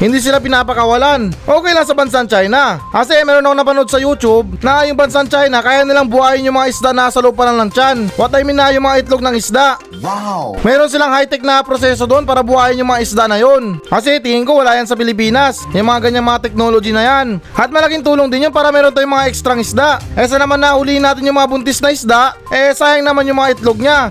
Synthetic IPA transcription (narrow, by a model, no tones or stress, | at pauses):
hɪnd̪iːs̬ɪlap̬ɪnaːpɐkɐwɐlanʔoːkɛjlaŋsɐbɐns̬ant͡ʃajnaʔɐsɛmɛːɾonɐkoŋnɐpɐno̞d̪̚sɐjuːt͡ʃʊb̚nɐʔajʊŋbɐnsant͡ʃajnɐkaːjaʔnɪlaŋbʊhaːjɪnjʊŋmɐŋaʔɪsd̪aʔnasɐlopɐnɐŋlɐŋt͡ʃanwɐt̪ajmɪnajʊŋmɐŋaʔɪt̪loɡ̚nɐŋɪsd̪aʔ | wmɛːɾo̞nsɪlaŋhajt̪ɛk̚nɐpɾosɛsod̪oʔonpaːɾɐbʊhaːjɪnjʊŋmɐŋaʔɪsd̪aʔnɐjo̞nkɐs̬ɛt̪iŋɪŋko̞wɐlaːjɐnsɐpɪlɪp̬iːnɐs | jʊŋmɐŋaɡɐɲaŋmɐŋat̪ɛk̚noːlod͡ʒinɐjanʔɐt̪̚mɐlɐkɪŋt̪uːloŋd̪ɪnjonpaːɾɐmɛːɾont̪ajʊŋmɐŋaʔɛkst̪ɾɐŋɪsd̪aʔʔɛs̬ɐnɐmanːɐhʊliːhɪnːaːt̪ɪnjʊŋmɐŋabʊnt̪ɪsnɐʔɪsd̪aʔʔɛsaːjɐŋnɐmanjʊŋmɐŋaʔɪt̪loɡ̚ɲa